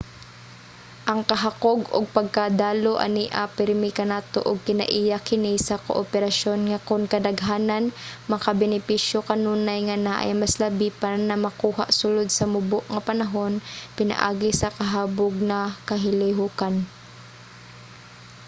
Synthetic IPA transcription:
ʔɐŋkɐɦakoɡʊ̰ɡ̚pɐɡ̚kad̪aːloʔɐ̰niʔa̰pɛɾmɪkɐnaːt̪o̰ʔʊɡ̚kɪnɐ̰ʔijakɪnisɐkoʔopɛɾaʃo̞nŋɐkʊŋkɐd̪ɐɡɦaːnanmɐkabɛnɪpiʃjokɐnuːnajŋɐnaʔɐ̰jmɐslɐbipanɐmɐkuːha̰ʔsʊlod̪̚sɐmʊboʔŋɐpɐnɐɦo̞npɪna̰ʔa̰ːɡɪsɐkɐɦaːboɡ̚nɐkɐɦɪlɪɦuːkan

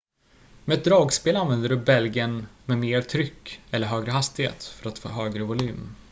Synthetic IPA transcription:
mɛɛt̪̚d̪ɾɑːɡspeːlanvɛnd̪əɖɵbɛlɡənmɛmeːɾt̪ʰɾʏkːɛlːəɾɦøːɡɾəɦast̪ɪhḛːt̪fœɾat̪fo̰ːɦøːɡɾəvʊly̟ːm

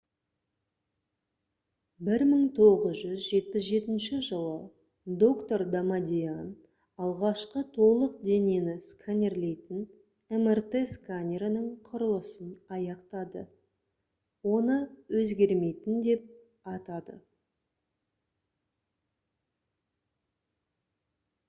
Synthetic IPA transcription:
bɪɾməɴt̪ʰo̞ʁəzʒʏzʒe̞t̪̚pɪsʒe̞t̪ɪnʃɪʒəlˠə | d̪o̞kt̪o̞ɾd̪amad̪ʲijan | ɑlˠʁɑʃqət̪ʰo̞lˠəqd̪e̞nenɪskʰanʲe̞rle̞jt̪ɪn | emert̪eskʰanʲeɾanəɴqʰʊɾəlˠəsənɑjɑqt̪ɑd̪ə̰ | wo̞nəwɵzɡʲe̞ɾme̞jt̪ɪnd̪e̞p̚ | ɑt̪ɑd̪ə̰

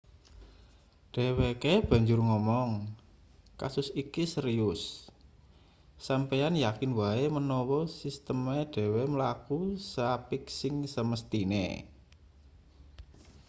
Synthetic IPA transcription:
ɖ̥ɛ̤wekeb̥a̤ɲd͡ʒʊrŋɔmɔŋ | kasʊsikisəɾiʊs | ampejanjakɪnwaemənɔwɔsist̪əmeɖ̥ɛ̤weməlakusapiksɪŋsəməst̪inḛ

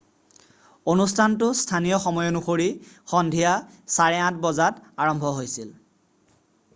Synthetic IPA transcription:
onustʰantʊstʰanijɔxɔmɔjɔnuxoɹi | xɔndʱija | saɹɛãt̚bɔzataɹɔmbʱɔɦojsil

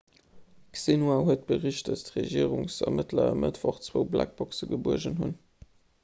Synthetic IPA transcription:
ksinuaɦuət̚b̥əʁiɕt̚dɑstʁeʒiːəʁʊŋsɐmətlɐə̰mətvɑχt͡swəʊblæ̰k̚b̥ɔksəɡəbuəʒənhun

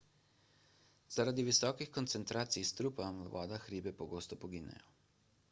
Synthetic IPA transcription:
zaɾad̪iʋisɔːkixkɔnt̪sɛnt̪ɾaːt̪sijst̪ɾupamʋɔ̰ːd̪axɾiːbɛpɔɡoːst̪ɔpɔɡiːnɛ̰jɔ

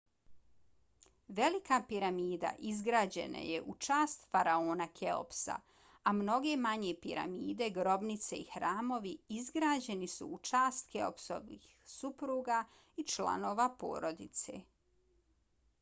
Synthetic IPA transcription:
ʋe̞likapiɾamiːd̪a̰ʔizɡɾaːd͡ʑe̞̰na̰jḛʔut͡ʃaːst̪faɾaoːnakʰeo̰psa̰ | amno̞ɡe̞maɲe̞pḭɾa̰miːd̪e̞ɡɾo̞bnit̪se̞̰ixɾaːmo̞ʋiizɡɾaːd͡ʑe̞nisṵːt͡ʃaːst̪ke̞o̰pso̰ʋniːxsupɾuːɡaː | it͡ʃlˠa̰no̞ːʋapo̰ːɾod̪it̪se̞̰ː

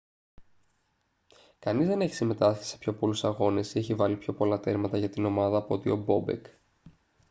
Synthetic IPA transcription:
kɐnizðe̞ne̞çi̥sime̞t̪ɐsi̥sepço̞po̞lusɐɣo̞ne̞sieçivɐlipço̞po̞lɐt̪e̞ɾmɐt̪ɐʝɐt̪ino̞mɐðɐːpoo̞t̪io̞bo̞bḛk

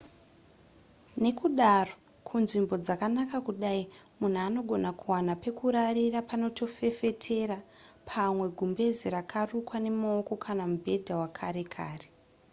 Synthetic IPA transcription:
ne̞kuɗaro̞ | kʰunʐimbo̞d͡zakanakakuɗai | mun̤uano̞ɡʱo̞nakuwanape̞kuɾaɾirapano̞tʰo̞fe̞fe̞tʰe̞ɾa | pʰamwe̞ɡʱumbe̞ziɾakʰarukwane̞maoko̞kʰanamubʱe̞dʱawakʰaɾe̞kʰaːre

